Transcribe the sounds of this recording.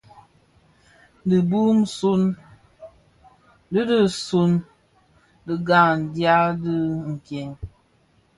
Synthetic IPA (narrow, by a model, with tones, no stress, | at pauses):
di˨bu˦m̩˦su˦n | də˦də˦su˦n | də˨ɡa˦˨ŋn˨dja˦də˦ŋ̩˨kjɛ˨ŋ